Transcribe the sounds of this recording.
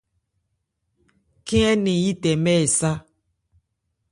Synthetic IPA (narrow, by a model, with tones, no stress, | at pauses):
kĩ˦ɛ˦nĩ˨ji˦tɛ˨mɛ˦˨sa˦